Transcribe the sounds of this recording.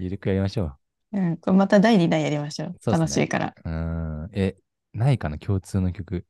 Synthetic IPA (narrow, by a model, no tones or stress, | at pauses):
iɾɯ̟kɯ̟jaɾʲimaɕo̞ː | ɯ̟̃komat̪ad̪aiɲʲid̪aijaɾʲimaɕo̞ːanoɕiika̰ɾa̰ɯ̃e | naikanakʲʰo̞ːt͡sɨːno̞kʲo̞kɯ̟